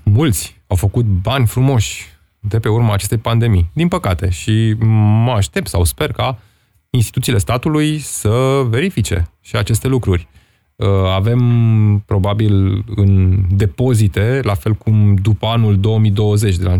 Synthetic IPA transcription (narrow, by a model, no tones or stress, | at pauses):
mult̪sʲ | awfəkut̪̚banʲfɾumo̞ʃʲ | d̪e̞pe̞urmaːt͡ʃe̞st̪e̞jpand̪e̞mijd̪inpəkat̪e̞ʃiməaʃt̪e̞p̚t̪sawspe̞rka | inst̪it̪ut̪sile̞st̪at̪ulujsəve̞ɾifit͡ʃe̞̰ʃiat͡ʃe̞st̪e̞lukɾurʲ | əave̞mpɾo̞babilɨnd̪e̞po̞zit̪e̞lafe̞lkumd̪upəanuld̪o̞omid̪o̞wəze̞t͡ʃd̪ela